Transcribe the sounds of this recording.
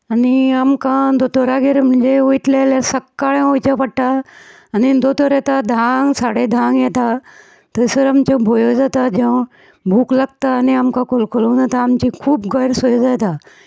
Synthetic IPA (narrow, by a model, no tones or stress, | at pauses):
əniamkãd̪ot̪oɾaɡeɾm̤ə̃ɳd͡ʒeoiʈ̪lelesɐkːaɭẽoit͡ɕãpəɽʈa | ɐnind̪ot̪oɾet̪ad̪ʱãŋɡsaɽed̪ʱãŋɡjet̪a | t̪əɪsəɾamt͡ɕõbʱojod͡zat̪ad͡ʑẽʋ̃ | bʱuːkləɡ̚t̪aəniamkakolkolõd̪at̪aːmt͡ɕikʰuːbɡəɾsojozat̪a